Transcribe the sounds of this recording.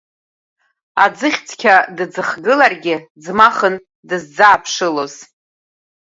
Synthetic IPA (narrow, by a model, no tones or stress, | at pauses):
ad͡zɨχʲt͡sʰkʲʰadɨd͡zɨχɡɨlarɡʲɪd͡zmaχən | dɨzd͡zaːpʰʂɨloz̥